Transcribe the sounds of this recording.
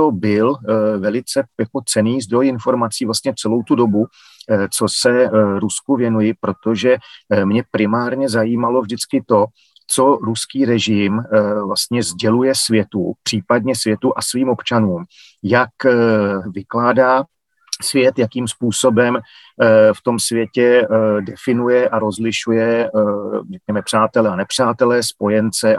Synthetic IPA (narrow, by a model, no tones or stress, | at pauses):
t̪obɪlvɛlɪt͡sɛjako̞t͡sɛniːzd̪ɾo̞jɪnfo̞ɾmat͡siːvlast̪ɲɛt͡sɛlo̞wt̪udo̞bu | t͡so̞sɛɾuskuvjɛnujɪpɾo̞t̪o̞ʒɛmɲɛpɾɪmaːɾɲɛzajiːmalo̞vʒdɪt͡skɪt̪o̞ | t͡so̞ɾuskiːɾɛʒɪmvlast̪ɲɛzɟɛlujɛsvjɛt̪ṵpr̝̥iːpadɲɛsvjɛt̪uʔasviːmo̞pt͡ʃanuːm | jak | vɪklaːdaː | svjɛt̪jakiːmspuːso̞bɛm | ft̪o̞msvjɛcɛdɛfɪnujɛʔaɾo̞zlɪʃujɛ | rɛk̚ɲɛmɛpr̝̥aːt̪ɛlɛanɛpr̝̥aːt̪ɛlɛːspo̞jɛnt͡sɛ